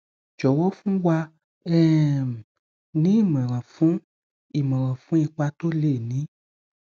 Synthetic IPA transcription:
d͡ʒɔ˨wɔ˦fũ˦wa˧ | ɛ˦m˨ | nĩ˨˦i˦˨mɛ̃˨ɾ̃ã˨fũ˨˦ | i˨mɛ̃˨ɾã˨fũ˨˦i˧k͡pa˧to˦le˦˨nĩ˨˦

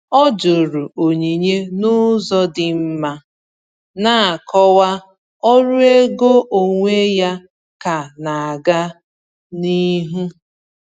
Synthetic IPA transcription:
ɔ˦d͡ʒo˨ɾu˨o˨ɲi˨ɲe˦nʊ˦zɔ˦dɪ˨m̩˦ma˦ | na˦a˨kʰɔ˦wa˦ | ɔ˦ɾu˦e˦ɡo˦ʔo˨ŋʷe˦ja˦ | ka˨na˨a˨ɡa˦ | ni˦ɦu˦

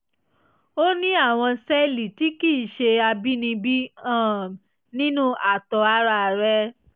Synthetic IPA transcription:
o˦nĩ˦a˦˨w̃ɔ̃˧sɛ˦li˨ti˦ki˦˨ʃe˧a˧bi˦nĩ˧bi˦ã˦˨ | nĩ˦nũ˦ʔa˨tɔ˨˧a˧˦ɾa˧˨ɾɛ˦

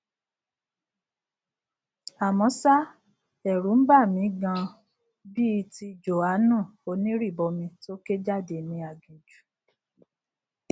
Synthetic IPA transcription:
a˨mɔ̃˨˧˦sa˦ | ɛ˨ɾũ˨˦n̩˦ba˦˨mĩ˨˦ɡã˧ | bi˦˧ti˧d͡ʒo˨a˨˦nũ˦˨o˧˦nĩ˦ɾi˦˨bɔ˧mĩ˧to˦ke˦d͡ʒa˦˨de˧˨mĩ˧a˨d͡ʒũ˨d͡ʒu˨˦

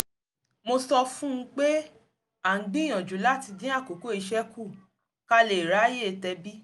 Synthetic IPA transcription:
mo˧sɔ˧fũ˦ũ˦k͡pe˦ | a˦˨ŋ̩˦ɡ͡bĩ˦j̃ɔ̃˨d͡ʒu˨˦la˦ti˧dĩ˦a˦˨ko˨˦ko˦i˧ʃɛ˦ku˦˨ | ka˧le˨i˨ɾa˨˦je˦˨tɛ˧bi˦

